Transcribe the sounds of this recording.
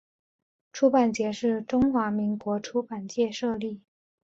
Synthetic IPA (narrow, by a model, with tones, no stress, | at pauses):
ʈ͡ʂʰu˥pa˨˩nt͡ɕjɛ˧˥ʂɻ̩˥˩ʈ͡ʂʊ˥ŋxwa˧˥mi˧˥ŋkwɔ˧˥ʈ͡ʂʰu˥pa˨˩nt͡ɕjɛ˥˧ʂɤ˥˧li˥˩